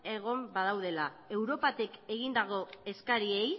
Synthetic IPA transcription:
e̞ɣ̞o̞mbað̞awð̞e̞la | e̞wɾo̞pat̪ike̞ɣind̪aɣo̞e̞skaɾie̞j

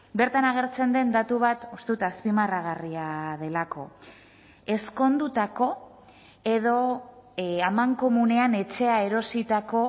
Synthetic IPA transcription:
be̞ɾt̪anaɣ̞e̞ɾt͡se̞nd̪e̞nd̪at̪uβ̞at̪ust̪eut̪aspimaraɣ̞ariað̞e̞lako̞ | e̞sko̞nd̪ut̪ako̞ | e̞ðo̞ | amaŋko̞mune̞ane̞t͡ʃe̞ae̞ɾo̞sit̪ako̞

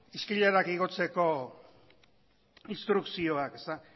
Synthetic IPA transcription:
iskiʎaɾakiɣo̞t͡se̞ko̞ | inst̪ɾuksio̞ake̞st̪a

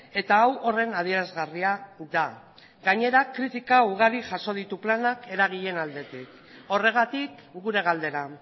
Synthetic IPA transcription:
e̞t̪aːwʔo̞re̞nað̞ie̞ɾazɣariaða | ɡaɲe̞ɾakɾit̪ikauɣ̞aɾiʝaso̞ð̞it̪uplanake̞ɾaɣ̞iʎe̞nald̪e̞t̪ik | o̞re̞ɣ̞at̪ikɡuɾe̞ɣald̪e̞ɾa

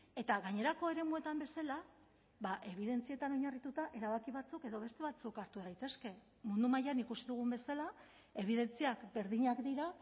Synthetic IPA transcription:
e̞t̪aɣaɲe̞ɾako̞e̞ɾe̞mue̞t̪ambe̞sala | βaʔe̞β̞iðe̞nt͡sie̞t̪ano̞ɲarit̪ut̪aʔe̞ɾaβakiβ̞at͡suke̞ðo̞β̞e̞st̪e̞βat͡sukaɾt̪uðajt̪e̞ske̞ | mund̪umajanikusiðuɣ̞umbe̞sala | e̞β̞iðe̞nt͡siakbe̞ɾðiɲakd̪iɾa

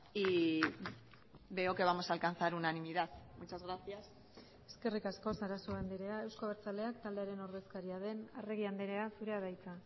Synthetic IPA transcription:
i | βe̞oke̞βamo̞salkanθaɾunanimiðaðmut͡ʃazɣɾaθias | e̞ske̞rikasko̞saɾaso̞and̪eɾe̞ae̞wskoβeɾt͡sale̞akt̪ald̪e̞aɾe̞no̞ɾðe̞skaɾiað̞e̞nare̞ɣ̞iand̪eɾe̞asuɾe̞aðajt͡sa

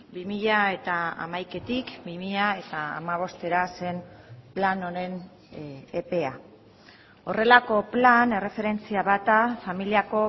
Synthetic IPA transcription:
bimiʎae̞t̪aa̰majke̞t̪ikbimiʎae̞t̪a̰ːmaβ̞o̞st̪e̞ɾase̞mplano̞ɾe̞n | epe̞a | o̞re̞lako̞plane̞re̞fe̞ɾe̞nt͡siaβat̪afamiliako̞

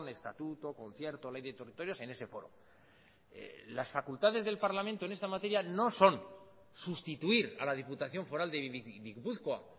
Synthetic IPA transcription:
ne̞st̪a̰t̪ut̪o̞ko̞nθje̞ɾt̪olejðet̪e̞rit̪o̞ɾjo̞se̞ne̞se̞fo̞ɾo̰ | ḛlasfakult̪aðe̞zðe̞lpaɾlamẽnt̪onest̪amat̪e̞ɾjano̞so̞n | sust̪it̪uiɾalaðiput̪aθjo̞ɱfo̞ɾald̪eβiβikbuθkwa

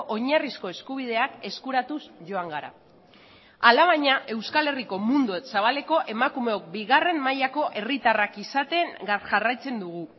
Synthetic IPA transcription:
ʔo̞ɲarisko̞e̞skuβ̞ið̞e̞ake̞skuɾat̪usʝo̞aŋɡaɾa̰ | alaβ̞aɲaʔe̞wskale̞riko̞mund̪uesaβ̞ale̞ko̞ʔe̞makume̞o̞k̚biɣare̞mmajako̞ʔe̞rit̪arakisat̪e̞ŋɡaʝarajt͡se̞nd̪uɣ̞u

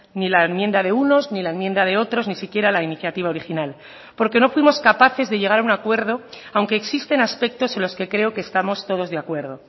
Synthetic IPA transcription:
nilaenmje̞nd̪aðe̞uno̞znilaenmje̞nd̪aðe̞o̞t̪ɾo̞znisikje̞ɾalainiθjat̪iβ̞ao̞ɾixinal | po̞ɾke̞no̞fwimo̞skapaθe̞zðe̞ʝe̞ɣaɾaunakwe̞ɾð̞o̞ | awŋke̞ːksist̪e̞naspe̞k̚t̪o̞se̞nlo̞ske̞kɾe̞o̞keːst̪amo̞st̪o̞ð̞o̞zðe̞akwe̞ɾð̞o̞

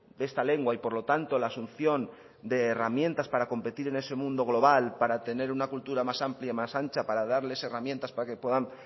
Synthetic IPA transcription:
d̪e̞st̪ale̞ŋɡwaipo̞ɾlo̞t̪ant̪o̞laːsunθjo̞n | d̪e̞ːramjẽ̞nt̪aspaɾako̞mpe̞t̪iɾe̞ne̞se̞mũnd̪o̞ɣ̞lo̞βalpaɾat̪e̞ne̞ɾunakult̪uɾamasampljaimasant͡ʃapaɾað̞aɾle̞se̞ramjent̪aspaɾake̞pwe̞ðaŋ

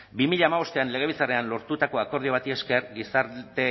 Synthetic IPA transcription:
bimiʎaːmaβo̞st̪e̞anle̞ɣ̞e̞β̞it͡sareanlo̞ɾt̪ut̪ako̞ako̞ɾðio̞β̞at̪ieske̞ɾɡisaɾt̪e̞

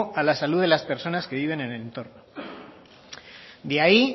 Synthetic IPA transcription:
alasaluðe̞laspe̞ɾso̞naske̞β̞iβ̞e̞neneent̪o̞ɾno | d̪eai

